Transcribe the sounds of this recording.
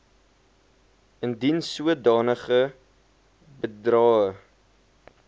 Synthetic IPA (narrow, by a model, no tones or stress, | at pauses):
əndinsuədɑːnəχə | bədrɑːə